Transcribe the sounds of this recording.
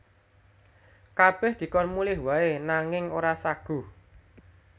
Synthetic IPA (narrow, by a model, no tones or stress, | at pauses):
kab̥ɛ̤hd̪̥i̤kɔnmulɪhwaenaŋɪŋoɾasaɡ̥ṳ